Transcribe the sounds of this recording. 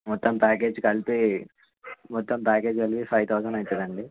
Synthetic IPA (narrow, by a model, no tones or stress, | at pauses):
mɔt̪ːɐmpaːke̞ːd͡ʒkɐlpi | mɔt̪ːɐmpaːke̞ːd͡ʒɐlpipʰɐjt̪ʰɐwsɐnɐjt̪ɛd̪ɐɳɖi